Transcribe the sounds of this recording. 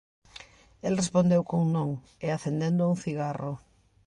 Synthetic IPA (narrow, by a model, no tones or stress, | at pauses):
elrespõnd̪ewkoŋnõŋ | eaθend̪ẽnd̪ʊuŋθiɣaro